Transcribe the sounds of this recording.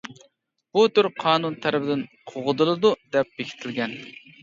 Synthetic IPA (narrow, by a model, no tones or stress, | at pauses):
b̥ut̪yɾqʰɑːnunt̪ʰæɾɪbɪd̪ɪnqʰoʁəd̪ɨlˠɨd̪ud̪ɛp̚b̥ekʲʰi̥t̪ʰɪlɡʲɛn